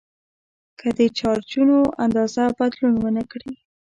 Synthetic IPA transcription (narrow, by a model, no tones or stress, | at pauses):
kʰəd̪ət͡ʃɑɾt͡ʃunoʔa̰nd̪ɑzabad̪lunwənəkɽi